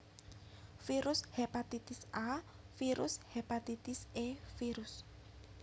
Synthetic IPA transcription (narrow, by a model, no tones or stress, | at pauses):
fiɾushepat̪it̪ɪsʔa | fiɾʔushepat̪it̪ɪsefiɾus